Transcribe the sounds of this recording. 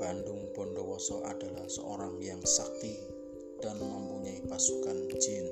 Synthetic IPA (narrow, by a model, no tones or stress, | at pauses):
b̥andʊŋb̥ɔnɖɔwɔsɔʔad̥alahsə̰o̰ɾaŋjaŋsaki | d̥anmampuɲaipasukand͡ʒ̥in